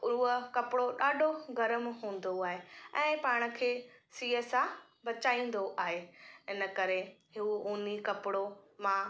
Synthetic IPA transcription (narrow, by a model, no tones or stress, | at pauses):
ʊuəkɐpɪɽoɗaːɖʱoɡɐɾəmɦũːn̆d̪oaːɦeɛ̃ːpaːɽ̃ə̆kʰeːsiːeːsa | bɐt͡ɕaːĩːn̆d̪oʔaːɦeɪnə̆kɐɾeɦɪuːnikɐpɪɽomã